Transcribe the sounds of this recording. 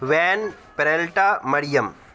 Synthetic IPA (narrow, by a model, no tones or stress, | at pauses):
ʋeːn | pɾɐlʈaːmɐɽijɐm